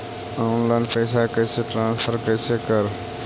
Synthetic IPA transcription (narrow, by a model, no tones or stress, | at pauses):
ɔnlaɪnpəɪsakəɪseʈɾãːnspʰəɾkəɪsekəɾ